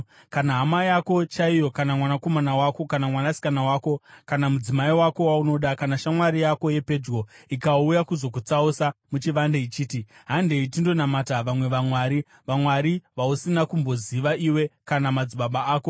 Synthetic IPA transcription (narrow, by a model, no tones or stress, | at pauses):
kanaɦamajako̞t͡ʃaijo̞kanamwanako̞manawako̞kanamwanasi̥kanawaːko̞kanamud͡zimaiwako̞wauno̞ɗakanaʃamwaɾijako̞je̞pe̞d͡ʒɡo̞ikaujakuzo̞k̬ut͡sausamut͡ʃiʋandeit͡ʃiːtiɦande̞itindo̞namataʋamwe̞ʋamwaːɾi | ʋamwaɾiʋausinakumbo̞ziʋaiwe̞kanamad͡ziɓaɓaaːko̞